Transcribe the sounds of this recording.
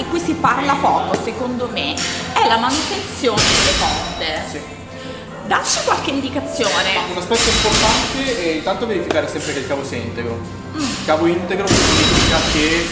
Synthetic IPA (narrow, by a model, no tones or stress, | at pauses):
ikːuisiparlapɔːkosekond̪omeɛlamanut̪ent̪sjoːned̪elːefɔrt̪esi | d̪aʃːi̥kwalkeind̪ikat̪sːjoːneunaspɛt̪ːoimport̪ant̪eɛint̪ant̪oveɾifikaːɾesɛmpɾekelkaːvosint̪eɡɾo | ilkaːvoint̪eɡɾokeseniːfikak̟e